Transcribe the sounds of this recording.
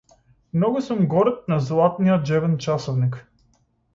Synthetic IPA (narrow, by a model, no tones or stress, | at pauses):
mnɔɡʊsumɡɔɾɛt̪̚nazlˠat̪nijəd͡ʒɛvɛnt͡ʃasɔvnik